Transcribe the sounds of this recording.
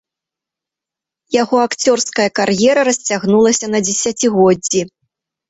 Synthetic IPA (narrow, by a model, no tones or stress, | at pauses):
jaɣɔakt͡sʲɔrskɐjɐkarjɛɾɐɾɐsʲt͡sʲaɣnulˠɐsʲɐnɐd͡zʲɛsʲat͡sʲiɣɔd͡zʲːi